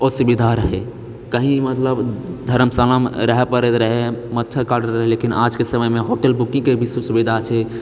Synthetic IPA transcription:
osubid̪ʱaɾəɦɛ | kəɦĩmət̪ləbd̪ʱəɾəmsəlamɾəɦepəɾet̪ɾəɦemət̪ːt͡ʃʰəkaɾɖəɾːəɦelekina̰d͡ʒkesəməmeɦoʈelbukĩŋɡkebiswəsubid̪ʱat͡ʃʰɛ

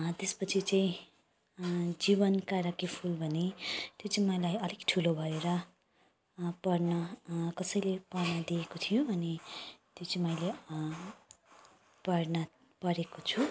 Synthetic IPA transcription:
t̪espʌt͡sʰit͡saĩ | d͡zibʌnkaɾʌkipʰulbʱʌnet̪jot͡saĩmʌjlajʌlikʈʰulobʱʌeɾʌ | pʌrnʌkʌsʌjlepʌrnʌd̪iekot̪ʰijoʌnit̪jot͡sãĩmʌjle | pʌrnʌ | pʌɾekot͡sʰu

